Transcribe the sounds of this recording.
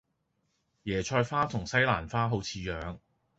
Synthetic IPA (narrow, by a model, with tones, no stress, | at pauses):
jɛː˨˩t͡ʃʰɔː˧jfaː˥t̪ʰʊ˨˩ŋsɐ˥jlaː˨˩nfaː˥ɦo˨˥wt͡sʰiː˨˧jœː˨˧ŋ